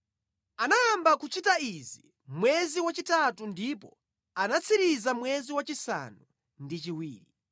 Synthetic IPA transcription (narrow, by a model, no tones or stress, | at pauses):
anaːmbakut͡ʃitaizi | mwɛziwat͡ʃitatundipɔ | anat͡sʰiɾizamwɛziwat͡ʃisa̰nu | ndit͡ʃiwiːɾi